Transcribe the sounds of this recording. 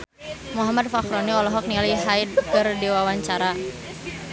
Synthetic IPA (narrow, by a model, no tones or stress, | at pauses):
muɦamad̪̚fakɾɔniɔlɔɦɔk̚nialiɦait̪̚kərdiwawaɲt͡ʃaɾa